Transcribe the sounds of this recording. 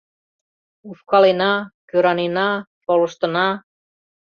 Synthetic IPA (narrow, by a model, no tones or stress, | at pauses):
ufkɑlenɑkøɾɑnenɑpolə̆ʃt̪ə̆nɑ